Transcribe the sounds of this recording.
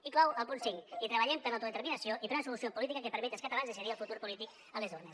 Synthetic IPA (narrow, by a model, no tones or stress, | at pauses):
iklɔwəlˠpunsiŋit̪ɾəβəʎɛmpəɾawt̪oðet̪ɾminəsioʔipɾunsulusiopulit̪ikəkepəɾmɛt̪eskət̪alanzðesəðiəlˠfut̪uɾpulit̪ik | əlezones